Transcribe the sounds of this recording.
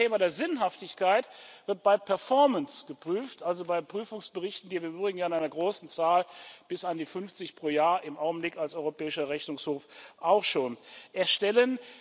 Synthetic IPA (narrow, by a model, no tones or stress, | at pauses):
eːmadeːɐzɪnɦaftɪçkaɪtv̥ɪɐt̚b̥aɪpʰɛɐfɔɐmənsɡ̥əpʁ̥yːftʔalzobaɪpʁ̥yːfʊŋsb̥əʁɪçtn̩viːɐviɐʔyːbʁɪɡŋ̩jaːɪnaɪnɐɡʁoːsn̩t͡saːlb̥ɪsandiːfʏnft͡sɪçpʁ̥oːjaːɐɪmʔaʊɡŋ̩blɪkalsɔʏʁopɛːɪʃɐʁɛçnʊŋshoːfʔaʊxʃoːnʔɛɐʃtɛlən